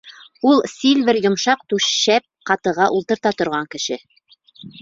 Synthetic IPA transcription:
ulˠsilβɘɾjŏmʃɑq̚t̪ʉʃæp̚qɑt̪ɤ̆ʁɑʔulˠt̪ɤ̆ɾt̪ɑt̪ŏɾʁɑŋkɘ̆ʃɘ

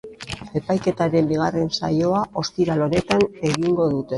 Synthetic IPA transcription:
e̞pajke̞t̪aɾe̞mbiɣ̞are̞nsa̰jo̞aʔo̞st̪iɾalo̞ne̞t̪ane̞ɣiŋɡo̞ðut̪e̞

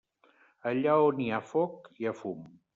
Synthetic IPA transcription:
əʎaoniafok̚iəfum

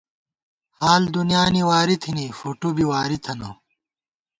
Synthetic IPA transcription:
haːld̪unjaːniwaːɾit̪ʰinifoːʈubiwaːɾit̪ʰɐno

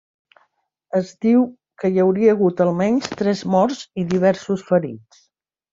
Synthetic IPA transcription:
əzd̪iw | kəjəwɾiəːɣ̞ut̪əlˠmɛɲst̪ɾɛzmɔɾziðiβ̞ɛɾsusfəɾḭt͡s

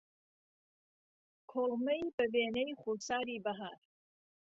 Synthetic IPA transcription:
kʰoʁmɐjbɐveːnejχusaːɾiːbɐɦaːɾ

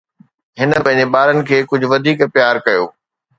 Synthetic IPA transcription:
ɦɪnə̆pɐ̃ɦɪ̃ɲ̆d͡ʑeɓaːɾənɪ̆kʰeːkʊd͡ʑʱʊ̆ʋɐd̪ʱiːkpjaːɾkɐjo̰ː

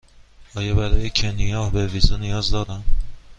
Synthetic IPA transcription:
ɒːjɒbæɾɒːjecʰenijɒːhbevizonijɒːzd̪ɒːɾæm

